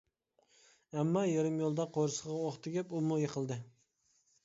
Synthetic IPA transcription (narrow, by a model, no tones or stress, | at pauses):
ɛmːɑjeɾɪmjolˠd̪ɑqʰoɾsəʁɑoχt̪ʰɪɡʲɛpumujeqʰəlˠd̪ɨ